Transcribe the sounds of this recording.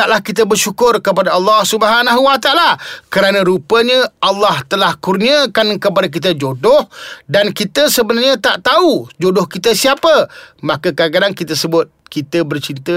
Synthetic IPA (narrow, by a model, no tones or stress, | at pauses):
t̪aʔlahkit̪̬əbərʃukʊrkəpadaɑlːɑhsubəɦanaɦuwat̪aʔalakəɾanə̃ɾupəɲə̃ʔalːɑht̪əlahkurniəkankəp̬adak̬it̪̬əd͡ʒodʊhdankit̪əsəbənarɲə̃t̪aʔt̪aud͡ʒodʊhkit̪əsiapəmãkəkak̬adaŋkit̪əsəbʊt̪̚kit̪əbərt͡ʃiɾit̪ə